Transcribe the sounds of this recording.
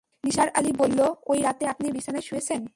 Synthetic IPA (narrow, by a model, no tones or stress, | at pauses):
niʃaɾalibolːoojɾat̪eapnibiʃaneʃujet͡ɕʰen